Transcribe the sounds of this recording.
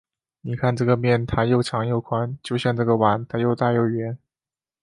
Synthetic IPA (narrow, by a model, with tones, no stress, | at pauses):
ni˨˩kʰa˥˧nʈ͡ʂɤ˥˩ɡə˩mjɛ˥˩nt̪ʰa˥jo˥˩ʊʈ͡ʂʰɑ˧˥ŋjo˥˩ʊkʰwa˥nt͡ɕjo˥˧ʊɕjɑ˥˧ŋʈ͡ʂɤ˥˩ɡə˩wa˧˥nt̪ʰa˥jo˥˧ʊt̪a˥˧jo˥˩ʊɥɛ˧˥n